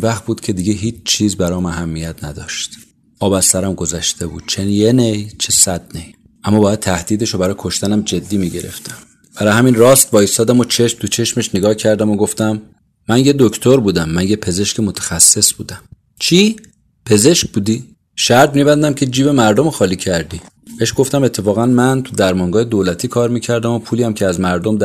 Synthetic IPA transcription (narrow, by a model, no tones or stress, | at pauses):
væxt̪̚buːd̪̥cʲʰe̞d̪iɟeɦiːt͡ʃʰt͡ʃʰiːzbæɾɒːmæɦæmːijæt̪ʰnæd̪ɒːʃt̪ | ʔɒːbæst̪æɾæmɡo̞zæʃt̪ʰebṵːd̪̥̚t͡ʃʰenjenejt͡ʃʰesæd̪̚nej | ʔæmːɒːbɒːjæd̪̚t̪ʰæhd̪̥iːd̪e̞ʃobæɾɒːjkʰo̞ʃt̪ænæmd͡ʒe̞d̪ːiːmiːɟeɾḛft̪ʰæm | b̥æɾɒːjhæminrɒːst̪vɒːjist̪ɒːd̪æmot͡ʃʰe̞ʃmt̪ut͡ʃʰe̞ʃme̞ʃneɡɒːhcʰæɾd̪æmoɡo̞ft̪æmː | ænjed̪okʰt̪ʰoɾbuːd̪æmːænjepʰe̞ze̞ʃcemot̪ʰæ̥xæsːe̞sb̥ṵːd̪æm | t͡ʃʰi | pʰe̞ze̞ʃk̚buːd̪i | ʃæɾd̪miːbænd̪æmcʲʰe̞d͡ʒiːbe̞mæɾd̪omoxɒːliːcʰæɾd̪iː | b̥eeʃɡo̞ft̪æme̞t̪ʰːe̞fɒːɣænmænt̪ʰud̪æɾmɒːŋɡɒːhed̪oːlæt̪ʰiːkʰɒːɾmiːcʰæɾd̪æmo̞pʰuːliːæmcʰeæzmæɾd̪omd̪